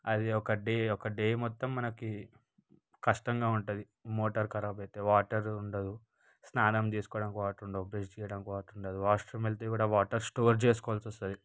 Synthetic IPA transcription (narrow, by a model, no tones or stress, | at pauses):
ɐd̪iɔkɐɖeːɔkɐɖeːmɔt̪ːɐmːɐnɐki | kɐʂʈɐŋɡaːuɳʈud̪i | moːʈɐɾkɐɾaːbɐjt̪eːʋaːʈɐɾuɳɖɐd̪u | snaːnɐmt̪iːsu̥kɔːɐɽɐnkʋaːʈuɳɖɐd̪ubɾed͡ʒt͡ʃɛːjɐɽɐnkʋaːʈuɳɖɐd̪uaːsʈɾɐmelt̪ekuːɽaːʋaːʈɐɾsʈoːɾt͡ʃeːs̬u̥kɔʋɐlsɔst̪ɐd̪i